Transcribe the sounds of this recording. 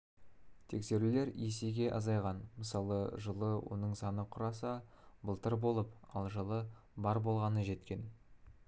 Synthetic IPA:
t̪ʰe̞kse̞ɾule̞ɾeseɡʲe̞ʔɑzɑjʁɑnməsɑlˠəʒəlˠəwo̞̰nəɴsɑnəqʰʊɾɑsɑ | bəlˠt̪əɾbo̞lˠəpɑ̰lˠʒəlˠə | bɑɾbo̞lˠʁɑnəʒe̞t̪kʲe̞n

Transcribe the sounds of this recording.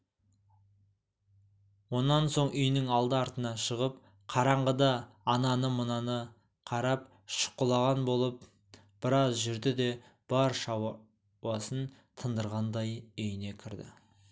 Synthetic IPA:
wo̞nːɑnso̞ɴʏjnɪŋɑlˠd̪əɑɾt̪ənɑʃəʁəp̚ | qʰɑɾɑɴʁəd̪ɑːnɑnəmʊnɑnə | qʰɑɾɑp̚ | ʃʊ̥qːəlˠɑʁɑnbo̞lˠəp̚ | b̥ɪɾɑzʒɪɾd̪ɪd̪e̞ | b̥ɑɾʃɑw | wɑsən | t̪ʰənd̪əɾʁɑnd̪ɑjʏjne̞kʲʰɪɾd̪ɪ̰

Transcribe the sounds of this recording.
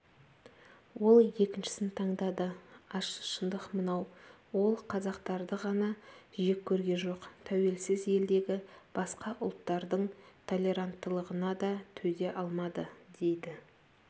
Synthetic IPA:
wo̞lˠje̞kʲɪnʃɪ̥sɪnt̪ʰɑɴd̪ɑd̪əɑʃə̥ʃənd̪əqmənɑw | wo̞lˠqʰɑzɑqt̪ɑɾd̪əʁɑnɑʒe̞kʲʰːɵɾɡʲe̞ʒo̞qt̪ʰæwe̞lsɪzje̞ld̪e̞ɡʲɪb̥ɑsqɑʔʊlˠt̪ːɑɾd̪əɴt̪ʰo̞lʲe̞ɾant̪ːəlˠəʁənɑd̪ɑt̪ʰɵd̪e̞ʔɑlˠmɑd̪əd̪̥e̞jd̪ɪ

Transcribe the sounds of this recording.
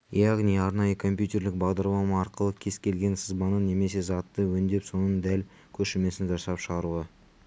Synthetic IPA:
jɑʁnijɑɾnɑjəkʰo̞mpjut̪ʲe̞ɾlɪk̚bɑʁd̪ɑɾlˠɑmɑːɾqəlˠəkʲʰe̞z̥kʲʰe̞lɡʲe̞nsəzbɑnənːe̞me̞se̞zɑt̪ːəwɵnd̪e̞pso̞nənd̪æl | kʲʰɵʃɪme̞sɪnʒɑsɑpʃəʁɑɾuʁə

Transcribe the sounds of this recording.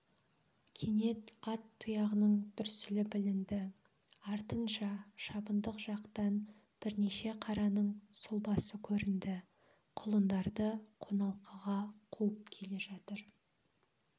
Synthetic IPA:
kʲʰene̞t̪ɑt̪ʰːʊjɑʁənəɴt̪ʏɾsɪlɪbɪlɪnd̪ɪ | ɑɾt̪ənʃɑʃɑbənd̪əqʒ̥ɑqt̪ɑn | b̥ɪɾne̞ʃe̞qʰɑɾɑnəɴsʊlˠbɑsəkʲʰɵɾɪnd̪ɪ | qʰʊlˠənd̪ɑɾd̪əqʰo̞nɑlˠqəʁɑqʰuəp̚kʲʰe̞le̞ʒɑt̪əɾ

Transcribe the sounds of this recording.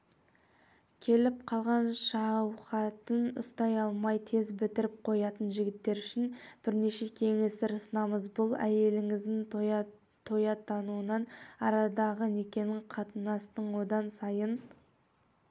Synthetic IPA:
kʲʰe̞lɪp̚qʰɑlˠʁɑnʃɑwqɑt̪ənʊ̰st̪ɑjɑlˠmɑjt̪ʰe̞zbɪt̪ɪɾɪp̚qʰo̞jɑt̪ənʒɪɡʲɪt̪ːe̞ɾʏʃɪnb̥ɪɾne̞ʃe̞kʲʰe̞ŋe̞st̪eɾʊsənɑməzbʊlˠæje̞lɪŋɪzd̪ɪn | t̪ʰo̞jɑt̪ʰɑnuənɑnɑ̰ɾɑd̪ɑʁəne̞kʲe̞nɪɴqʰɑt̪ənɑst̪əɴwo̞d̪ɑnsɑjən

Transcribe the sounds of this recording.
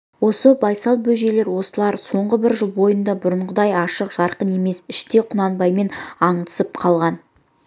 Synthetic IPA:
wo̞səbɑjsɑlˠbɵʒe̞le̞ɾwo̞səlˠɑɾso̞ɴʁəbɪɾʒəlˠbo̞jənd̪ɑbʊɾəɴʁəd̪ɑjɑʃəqʒ̥ɑɾqəne̞me̞sɪʃt̪e̞qʰʊnɑnbɑjme̞nɑɴt̪ə̥səp̚qʰɑlˠʁɑn

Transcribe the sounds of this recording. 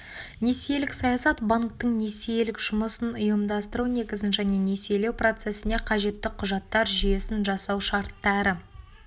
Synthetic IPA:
ne̞sijelɪksɑjɑsɑt̪baŋk̚t̪əɴne̞sijelɪkʒ̥ʊməsənʊjəmd̪ɑst̪əɾune̞kʲɪzɪnʒæne̞ne̞se̞le̞wpro̞t̪se̞sɪne̞qʰɑʒe̞t̪ːɪqʰʊʒɑt̪ːɑɾʒije̞sɪnʒɑsɑwʃɑɾt̪ːɑɾə

